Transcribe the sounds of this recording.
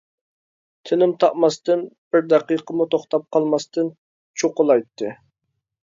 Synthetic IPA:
t̪ʰɪnɪmt̪ʰɑʔmɑst̪ɨnb̥ɪɾd̪ɛqijqʰəmut̪ʰoχt̪ɑp̚qʰɑlˠmɑst̪ɨn | t͡ʃʰoqʊlˠɑjt̪ʰːɨ

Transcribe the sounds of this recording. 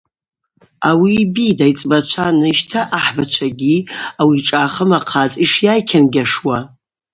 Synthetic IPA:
awibidajt͡sʼbat͡ʃʷʰanɨʃtʰaʔaħbat͡ʃʷʰaɡʲiawiʈ͡ʂʼaːχəmaqʰat͡sʼiʂjajkʲʰanɡʲaʂwa

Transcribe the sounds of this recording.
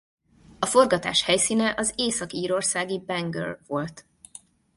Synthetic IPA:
ɒfo̞rɡɒt̪a̰ːʃhɛjsiːnɛʔɒzeːsɒkiːɾo̞rsaːɡibɛŋɡø̰rvo̞lt̪

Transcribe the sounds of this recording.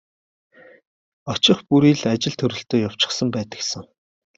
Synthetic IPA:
ɔt͡ɕɪ̆χpuɾiːɮat͡ɕɪ̆ɮt̪ʰɵɾɵ̆ɬt̪oːjaw̥t͡ɕɪ̆χsə̆mpæːt̪ə̆ksə̆ŋ

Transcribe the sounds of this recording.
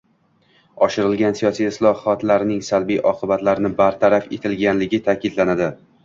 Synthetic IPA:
ɒʃɪɾɪlɡʲansijɒsijɪslˠɒɒt̪laɾɪnɪŋsalbijʔɒqʰɨbat̪laɾɪnɪbaɾt̪ʰaɾafe̞t̪ʰɪlɡʲanlɪɡʲɪt̪ʰaːkʲɪd̪lanad̪ɪ

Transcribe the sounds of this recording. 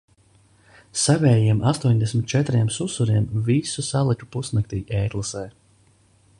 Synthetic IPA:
savʲɛːjiɛmʔast̪uɔɲd̪ɛsmʲit̪̚t͡ʃɛt̪ɾiɛmsusuɾiɛmvisusalˠiku̥pusnɨk̚t̪iːʔɛːt̪lˠasɛː

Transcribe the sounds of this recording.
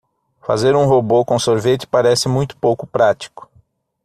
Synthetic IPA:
fa̰zeɾũɦobokõsoɾvet͡ʃɪ̥paɾɛsɪmũj̃t̪ʊ̥powkʊpɾat͡ʃi̥kʊ̥

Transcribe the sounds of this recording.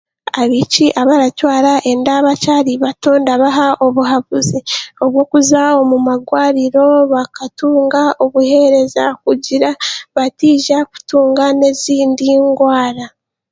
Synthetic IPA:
aβiciʔaβaɾatwaːɾaʔe̞ndaβat͡ʃaɾiβato̞ːndaβaɦaʔo̞βuɦaβuzio̞βwo̞ːkuzao̞mumaɡwaːɾiɾo̞βakatuːŋɡao̞βuhe̞ɾe̞zakuɟiɾaβatiːʒaku̥tuːŋɡane̞ziːndiŋɡwaːɾa

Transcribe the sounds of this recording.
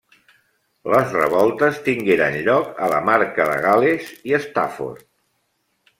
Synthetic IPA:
ləzrə̰βɔlˠt̪əst̪iŋɡeɾa̰nʎɔkələmaɾkəðə̰ɣaleziəst̪a̰fo̰ɾt̪

